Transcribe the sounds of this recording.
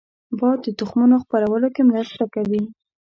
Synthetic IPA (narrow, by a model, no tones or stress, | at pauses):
bɑd̪d̪ət̪ʊxmunoxpaɾawəlokemɾast̪akawi